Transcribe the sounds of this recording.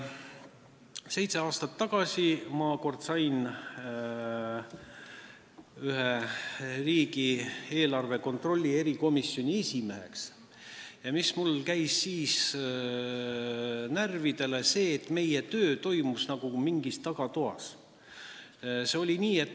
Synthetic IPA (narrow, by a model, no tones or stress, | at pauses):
se̞jt̪se̞ɑːst̪ɑt̪ːɑɡ̥ɑsʲimɑko̞rd̪̥sɑjn | yɦeriːɡie̞ːlɑrveko̞nt̪ro̞lʲːie̞ɾiko̞misːjo̞nʲie̞sʲime̞ɦe̞̰ks | jɑmismulkæjsːiːs | nærvid̪̥e̞le̞se̞ːt̪ːme̞jet̪ø̞ːt̪o̞jmusnɑɡ̥umiŋɡist̪ːɑɡ̥ɑt̪oɦɑ̰s | se̞o̞lʲiniːe̞t̪ː